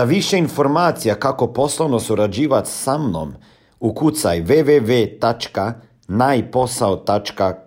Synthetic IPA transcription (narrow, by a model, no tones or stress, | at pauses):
aʋiʃeinfo̞ɾmaːt̪sijakako̞po̞slˠoʋno̞suɾad͡ʑiːʋat̪samno̰m | ukut̪sajʋeʋeʋet̪at͡ʃka | naːjpo̞saot̪at͡ʃka